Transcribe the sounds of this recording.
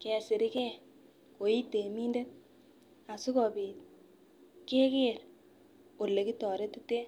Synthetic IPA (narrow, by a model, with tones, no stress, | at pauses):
kɛ˨sɪ˨ɾɪ˦kɛ˦ | ko˨i˦te˨mi˦nde˦ | a˨su˦kɔ˨bi˨ | ke˦ke˦˨ɾ | o˨lːe˨ki˦tɔ˨ɾe˦tu˦te˦